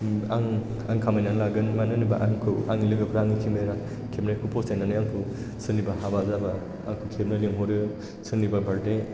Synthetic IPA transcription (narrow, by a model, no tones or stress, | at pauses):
aŋ | aŋkʰamajnanlaɡɯnmanɯnɯbaʔaŋkʰɯaŋilɯɡɯpʰɾaŋikʰimbeɾa | kʰeb̚nakʰupʰosajnanɯjaŋkʰɯ | sʰɯnibaɦabazabaː | ŋkʰɯkʰeb̚naliŋɦoɾɯ | sʰɯnibabʱaɾde